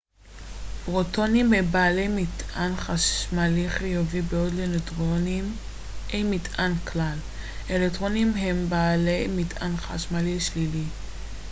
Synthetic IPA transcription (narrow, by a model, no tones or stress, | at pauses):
b̥ʁotonimbebaːlejmitʔanχaʃmaliχijovibeodleletʁonim | ejmitanklal | ʔelektʁo̞nimɦembaːlejmitʰanχaʃmaliʃlili